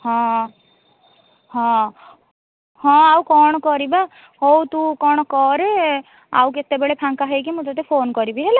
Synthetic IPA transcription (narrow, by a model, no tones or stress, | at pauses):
hɔ̃ | ɦɔ̃ | hɔ̃awkɔɳ̃ɔkɔɾiba | ɦowt̪ũkɔɳ̃ɔkɔɾe | a̰wket̪ebeɭepʰaŋkaɦekimũt̪ɔt̪epʰonkɔɾibiɦel